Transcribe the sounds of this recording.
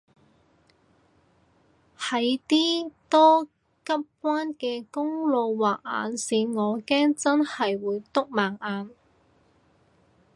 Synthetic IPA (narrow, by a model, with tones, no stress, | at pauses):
hɐ˨˧jt̪iː˥t̪ɔː˥ | kɐ˥p̚kʷwaː˥nkɛː˧kʊ˥ŋlo˨˧wwaː˨k̚a̰ː˨˧nsiː˨˧ŋɔː˨˧kɛː˥ŋt͡sɐ˥nhɐ˨jwuː˨˧jt̪ʊ˥k̚maː˨˩ŋʔaː˨˧n